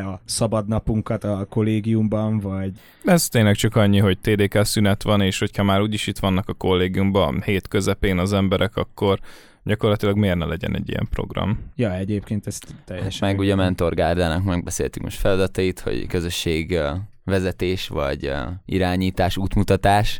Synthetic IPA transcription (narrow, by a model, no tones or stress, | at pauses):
ɒsɒbɒd̪nɒpuŋkɒt̪ɒko̞lːeːɡijumbɒɱvɒɟ | ɛzt̪eːnlɛk̚t͡ʃɒkɒɲːiɦo̞ɟ̚t̪eːd̪eːkɛlsynɛt̪ʋɒneːʃho̞chɒmaːɾuːɟiʃit̪ʋɒnːɒkɒko̞lːeːɡijumbɒheːt̪køzɛpeːnɒzɛmbɛɾʔɛkɒkːo̞r | ɟɒko̞rlɒt̪ilɒɡmeːrnɛlɛɟɛ̰nɛ̰ɟːḭjɛ̰mpro̞̰ɡrɒ̰mjɒɛɟeːp̚keːnt̪ɛst̪t̪ɛjɛʃmɛɡuɟɛmɛnt̪o̞rɡaːrd̪aːnɒkmɛɡ̚bɛsḛːlt̪y̥kmo̰ʃt̪fɛlɒd̪ɒt̪ɒit̪ho̰ɟkø̞zøʃːeːɡ | ʋɛzɛt̪eːʃʋɒ̰ɟḭɾaːɲiːt̪aːʃuːt̪mut̪ɒt̪aːʃ